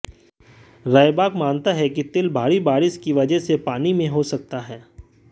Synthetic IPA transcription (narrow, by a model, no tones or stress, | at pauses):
ɾaːjbaːkmãːnt̪aɦɛkit̪ɪlbʱaːɾibaːɾɪʃkiʋɐd͡ʒəɦsepaːnimẽɦosɐk̚t̪aɦɛː